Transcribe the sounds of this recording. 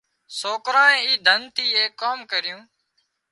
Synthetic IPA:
soːkɾãːẽːiːd̪ʱənt̪ʰiːeːkːoːmkəɾɪjũː

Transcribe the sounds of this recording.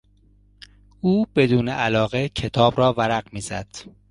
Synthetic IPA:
uːb̥e̞d̪uːneʔælɒːɣe̞cʰet̪ʰɒːbɾɒːvæɾæɢmiːzæd̪̥

